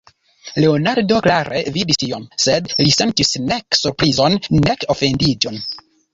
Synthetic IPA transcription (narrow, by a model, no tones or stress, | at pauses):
le̞onaɾdo̞klaɾevidistionse̞dlise̞ntisneksuɾpɾizo̞nːeko̞fe̞ndid͡ʒo̞n